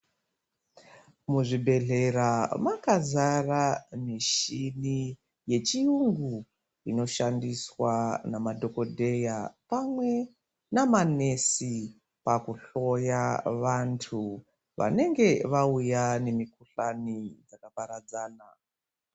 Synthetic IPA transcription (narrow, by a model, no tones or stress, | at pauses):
muʐibʱe̞ɮe̞ramakazaramiʃini | je̞t͡ʃiuŋɡu | ino̞ʃandiswanamadʱo̞ko̞dʱe̞japamwe̞ | namane̞si | pakuɬo̞jaʋantʰu | ʋa̰ne̞ŋɡe̞ʋaujane̞mikuɬanid͡zakapaɾad͡zaːna